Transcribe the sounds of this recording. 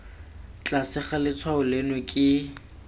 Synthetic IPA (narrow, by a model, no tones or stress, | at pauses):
t͡ɬʼasɪχalɪt͡sʰwaʊlenekʼɪ